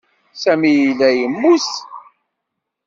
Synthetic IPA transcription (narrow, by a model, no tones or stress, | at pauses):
sæmijilːæjəmːus